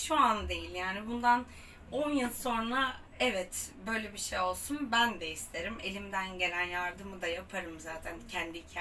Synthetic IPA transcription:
ʃuand̪e̞jilʲjaːnibund̪an | o̞njɯnˠso̞nɾa | ɛvɛt̪bø̞jlʲebiʃejo̞lˠsunbænd̪ɛist̪ʰe̞ɾime̞lʲimd̪ænɟe̞lʲænjaɾd̪ɯmɯd̪ajapʰaɾɯmzaːt̪ʰæncʰɛnd̪iicʰa

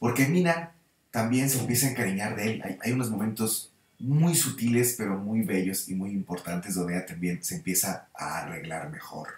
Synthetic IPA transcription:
po̞ɾke̞mĩnan | t̪ambje̞nse̞ːmpje̞s̬aeŋkaɾiɲaɾðeela̰jajuno̞zmo̞mẽ̞nt̪o̞z | mujsut̪ile̞spe̞ɾo̞mujβe̞ʝo̞simujimpoɾt̪ant̪e̞zðond̪eat̪ambje̞nse̞ːmpje̞saa̰are̞ɣlaɾme̞̰xo̞̰ɾ

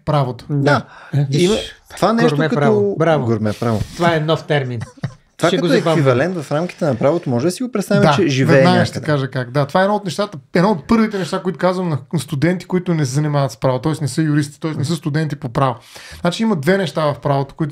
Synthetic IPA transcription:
pɾavot̪o̥d̪aimɐt̪ovaɛnɛʃtɾoɛkɐɾɔbɾavɡoɾmɛpɾavot̪ovaɛnɔft̪ɛɾmin | tovaɛɐkɔɛɛɛbvivɐlɛnt̪vɐfɾamki̥t̪ɛnɐpɾavot̪omɔʒɛd̪ɐsiɡopɾɛt̪st̪avʲjiat͡ʃɛʒivɛɛdnaɡəʃt̪ɛkaʒəkakd̪at̪ovaɛd̪nɔot̪nɛʃt̪at̪əɛd̪nɔot̪̚pɤɾvit̪ɛnɛʃt̪akoit̪ʊkazvəmnɐnst̪ud̪ɛnt̪i̥kʊit̪ʊnɛsɛzɐnimavɐt̪spɾavot̪ɔɛsnɛsɤəjʊɾist̪i̥t̪ɔɛsnɛsəst̪ʊd̪ɛnt̪ipopɾavoznat͡ʃiimɐd̪vɛnɛʃt̪avɐfpɾavot̪o̥kʊit̪

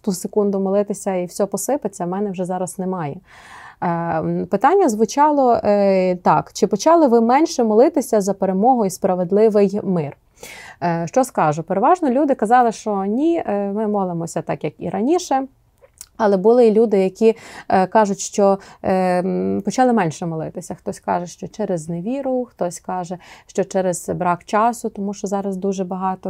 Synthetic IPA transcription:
t̪usekund̪ʊmɔlˠɪt̪ɪsʲɐiwsʲɔpɔsɪpɪt͡sʲːɐmɛnɛwʒɛzɑɾɐsnemɑjɛ | pɪt̪ɑnʲːɐzʋʊt͡ʃɑlˠɔ | t̪ɑkt͡ʃɪpɔt͡ʃɑlˠɪʋɪmɛnʲʃɛmɔlˠɪt̪ɪsʲɐzɐpeɾemɔɦɔjispɾɐʋed̪lˠɪʋɪjmɪr | ʃt͡ʃɔskɑʒʊpeɾeʋɑʒnɔlʲud̪ɪkɐzɑlˠɪʃt͡ʃɔnʲimɪmɔlˠemɔsʲɐt̪ɑkjɐkḭɾɐnʲiʃɛ | ɐlˠɛbʊlˠɪlʲud̪ɪjɐkʲikɑʒʊtʲʃt͡ʃɔ | pɔt͡ʃɑlˠɪmɛnʲʃɛmɔlˠɪt̪ɪsʲɐxt̪ɔsʲkɑ̰ʒɛʃt͡ʃɔt͡ʃɛɾɛzneʋʲiɾʊxt̪ɔsʲkɑʒɛʃt͡ʃɔt͡ʃɛɾɛz̥bɾɑkt͡ʃɑsʊt̪ɔmuʃt͡ʃɔzɑɾɐzd̪uʒɛbɐɦɑt̪ɔ

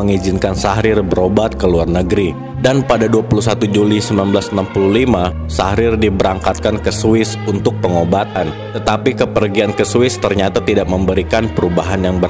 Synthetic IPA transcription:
əŋizɪnkansahɾɪrbəɾobat̪̚kəluarnəɡɾi | danpadaduapulus̬at̪ud͡ʒulisəmanbəlasnampululima | sahɾɪrdibəɾaŋkat̪̚kankəsuɪsunt̪ʊk̚pəŋobat̪an | t̪ət̪apikəpərɡiankəsuɪst̪ərɲat̪at̪idaʔ̚məmbəɾikanpəɾubaɦanjaŋbə

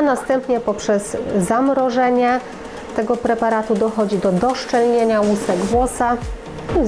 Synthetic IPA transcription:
nast̪ɛmpɲɛpɔpʂɛz̥ːamɾɔʐɛɲɛ | t̪ɛɡɔpɾɛpaɾat̪ud̪ɔxɔd͡ʑid̪ɔd̪ɔʂt͡ʂɛlɲeɲawusɛɡvwɔsa

